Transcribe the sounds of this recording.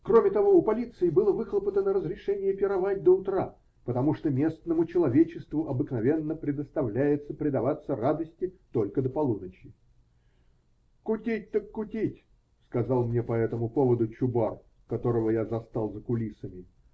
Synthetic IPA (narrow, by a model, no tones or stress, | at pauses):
kro̞mʲɪt̪ɐvo̞ʊpɐlʲit̪sɨɪbɨlˠəvɨxlˠəpət̪ənəɾəzɾʲɪʂɛnʲɪjəpʲɪɾɐvat̚ʲd̪əʊt̪ɾa | pət̪ɐmuʂt̪omʲe̞snəmʊt͡ɕɪlˠɐvʲet͡ɕɪst̪vʊʔɐbɨknɐvʲe̞nːəpɾʲɪd̪əst̪ɐvlʲæjɪt̪səpɾʲɪd̪ɐvat̪sːərad̪əsʲtʲɪt̪o̞lʲkəd̪əpɐlˠunət͡ɕɪ | kʊtʲit̚ʲt̪əkːʊtʲitʲ | skɐzɑlˠmnʲepɐɛt̪əmʊpo̞vəd̪ʊt͡ɕʊbar | kɐt̪o̞ɾəvəjazɐst̪alˠzəkʊlʲisəmʲɪ